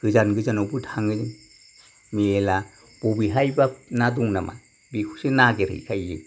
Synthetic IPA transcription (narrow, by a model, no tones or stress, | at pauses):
ɡ̥ɯzanɡɯzanɔbɯtʰaŋɯzɯ | miela | b̥ubiɦajbanaduŋnama̰ | bikʰu̥sɯnaɡeɾɯ̰jkʰajlɯ